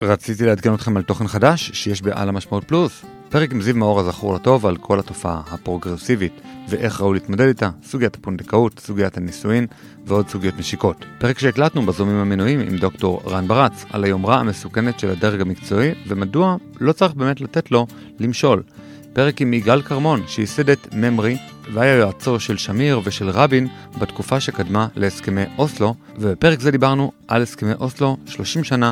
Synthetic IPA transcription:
ʁat͡sitileadkeno̞t̪χe̞malto̞χe̞nχadaʃːeje̞ʃbe̞ʔa̰lamaʃmaut̚plus | pe̞ʁekimzivmao̞ʁhazaχuʁlato̞valkʰo̞lhato̞faahapʁo̞ɡʁesivitveʔe̞χʁauliːtmo̞de̞ditasuɡijatḁpundekautsuɡijathanisuim | veo̞dsuɡijo̞tmeʃiko̞tpe̞ʁekʃeːklatnubazomimhamenuimḭmd̪o̞kto̞ʁʁanbaʁat͡sa̰lajo̞mʁaame̞suke̞ne̞tʃeladaʁɡamikt͡so̞ivemadua | lo̞t͡saʁiχbe̞ːmetlate̞tlo̞ | limʃo̞l | pe̞ʁe̞kimiɡalkaʁmo̞nʃeisedetme̞mʁi | veajajoat͡so̞ʃe̞lʃamiʁve̞ʃe̞lʁabin | batkufaʃe̞kadmale̞eske̞mejʔo̞slo̞ | vebepe̞ʁekzed̪ibaʁnuʔalheske̞mejʔo̞slo̞ʃlo̞ʃimʃana

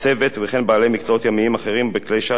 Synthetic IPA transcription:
t͡se̞ve̞t̪veχe̞nbaːlemikt͡saot̪jamiimaχe̞ʁimbeklejʃa

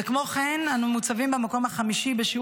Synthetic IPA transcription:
ekmo̞χenanumut͡savimbemako̞mhaχamiʃibeʃi

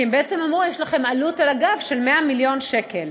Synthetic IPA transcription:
embeet͡semamʁujeʃlaχe̞malutalaɡavʃe̞lmeamiljo̞nʃe̞kel

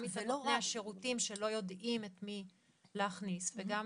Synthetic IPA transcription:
mifeaʃe̞ʁutimʃelo̞jo̞dʔimet̪mi | leːχnisveɡam

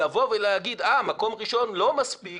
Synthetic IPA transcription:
avo̞veleaɡid̪amako̞mʁiʃo̞nlo̞maspi

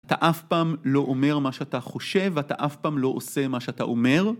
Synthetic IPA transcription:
ataʔafpaːmlo̞ʔome̞ʁmaʃeataχo̞ʃe̞vata̰ʔafpaːmlo̞ʔose̞maʃeata̰ʔome̞ʁ

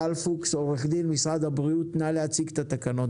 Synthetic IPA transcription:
alfukso̞ʁeχd̪ilmisʁad̪habʁiut̪naleat͡siɡt̪at̪akano̞t

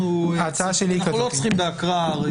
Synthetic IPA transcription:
at͡saaʃelikalot͡sχimd̪akʁaʁ

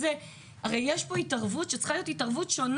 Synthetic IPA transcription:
ze | aʁejjeʃpo̞itaʁvutʃet͡sχalijotitaʁvutʃo̞n

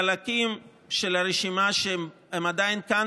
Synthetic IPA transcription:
alakim | ʃelaɾeʃimaʃe | hemad̪ainkan

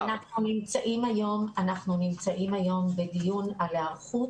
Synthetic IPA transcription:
anaχnunimt͡saʔimajo̞manaχnunimt͡saʔimajo̞mbed̪ijunalaχu

